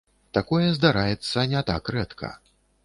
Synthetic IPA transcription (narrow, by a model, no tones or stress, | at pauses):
t̪akɔjɛzd̪aɾajɛt̪sːɐnʲɛt̪a̰krɛt̪kʰɐ̰